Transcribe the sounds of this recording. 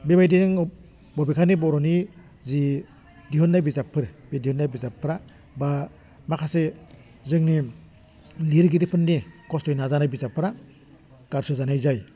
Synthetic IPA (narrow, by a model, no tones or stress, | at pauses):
bibajdiŋ | bɔbikʰanibɔɾɔni | zi | diɦɔnːajbizapʰːɯɾbedihɔnːajbizapʰːɯɾa | ba | makʰase | zɯŋni | liɾɡidipʰɯnːikɔstɔjnazanajbizapʰːɯɾa | ɡ̥aɾsɯzanajzaj